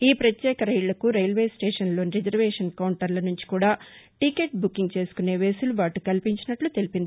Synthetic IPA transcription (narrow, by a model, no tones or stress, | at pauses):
iːpɾɐt̪jɛːkɐɾɐjlɐkuɾejlʋe̞ːsʈeːʂɐnlo̞ːniɾed͡ʒɐɾʋɛːʂɐnkɐwuɳʈɐɾlɐnuɲt͡ʃi̥kuːɽaːʈike̞ːʈ̚bukːiŋɡt͡ʃe̞ːsu̥kune̞ːʋeːsuluʋaːʈukɐlipiɲt͡ʃinɐʈlut̪e̞lipind̪i